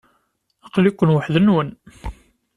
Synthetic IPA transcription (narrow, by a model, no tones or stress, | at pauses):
əqlikʷːənwəħðənwən